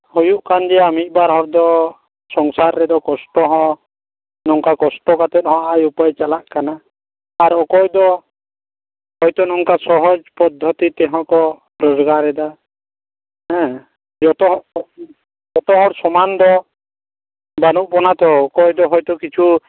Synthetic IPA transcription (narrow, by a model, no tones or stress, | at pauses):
hɔjuʔkand͡ʒɛamit̪̚ˀbaɾɦɔɽd̪ɔ | sɔŋsaɾːɛd̪ɔkɔsʈɔɦɔ̃ | nɔŋkakɔsʈɔkat̪ɛt̪̚hɔ̃aʔajupajt͡ʃalaʔkanaː | ɾɔkɔjd̪ɔ | hɔjt̪ɔnɔŋkasɔɦɔd͡ʒpɔd̪ʱːɔt̪it̪ɛɦɔ̃kɔ | ɾɔzɔɡaɾɛd̪a | ɦɛ̃ | d͡ʒɔt̪ɔɦ | d͡ʒɔt̪ɔɦɔɽsɔmand̪ɔ | banuʔ̚bɔnat̪ɔɔkɔjd̪ɔɦɔjt̪ɔkit͡ʃʰu